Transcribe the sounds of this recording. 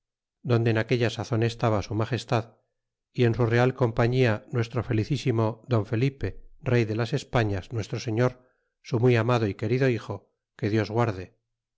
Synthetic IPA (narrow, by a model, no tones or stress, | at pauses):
d̪o̞nd̪eːnake̞ʎasaθonest̪aβasumaχe̞st̪að | ie̞nsure̞alko̞mpaɲianwe̞st̪ɾofe̞liθisimo̞ðo̞ɱfe̞lipe̞re̞jðe̞lase̞spaɲasnwe̞st̪ɾose̞ɲo̞ɾ | sumwijamaðoike̞ɾiðo̞ixo̞ | ke̞ðjo̞zɣwaɾðe